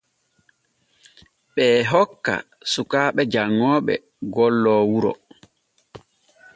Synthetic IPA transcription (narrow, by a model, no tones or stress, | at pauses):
ɓɛːɦɔkːa̰ | sukaːɓɛd͡ʒaŋːɔːɓɛ̰ | ɡɔlːɔːwuɾɔ̰